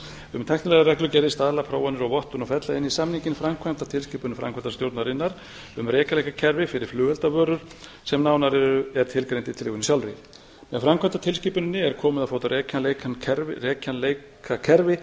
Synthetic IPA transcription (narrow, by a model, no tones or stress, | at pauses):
ʏmt̪ʰajhknɪlɛɣaɾɛklʏcɛɾðɪst̪aːðlapʰɾaːwanʏɾɔɣvɔht̪ʏnafɛt̪laɪnːisamniɲcɪnfɾamkʰvant̪at̪ʰɪlsciːpʏnɪfɾa̰mkʰvɛnt̪ast̪jowɾt̪naɾɪnːaɾ̥ | ʏmrɛːkalejkacʰɛɾvɪfɪɾɪɾ̥flʏːɣɛlt̪avœːɾʏɾ̥ | sɛmnaːwnaɾɛɾʏɛɾ̥t̪ʰɪlkɾejnt̪ɪt̪ʰɪlɪːɣʏnisjawlɾɪ | mɛðfɾamkʰɛnt̪at̪ʰɪlsciːpʏnɪnːɪɛɾ̥kʰɔːmʏðafaːwt̪aɛcanlekanʰɛɾrɛːcʰanlej | kʰakʰɛɾvɪ